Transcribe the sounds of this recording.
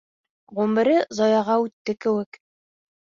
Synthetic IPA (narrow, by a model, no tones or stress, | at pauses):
ʁumɘ̆ɾɘzɒjɑʁɑʉt̪ːɘkɘ̆wɘk